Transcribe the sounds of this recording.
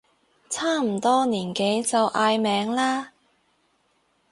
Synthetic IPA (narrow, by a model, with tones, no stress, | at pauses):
t͡sʰaː˥˩m̩˨˩t̪ɔː˥niː˨˩nke˨˥jt͡sɐ˨wʔaː˧jmɛː˨˧˥ŋlaː˥